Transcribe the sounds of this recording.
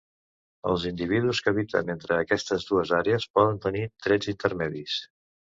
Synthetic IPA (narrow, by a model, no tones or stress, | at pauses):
əlˠzind̪iβ̞iðuskəβit̪ə̰nent̪ɾəːkɛst̪əzðuəzaɾeəspɔðənt̪ənit̪ɾɛd͡zint̪əɾmɛðis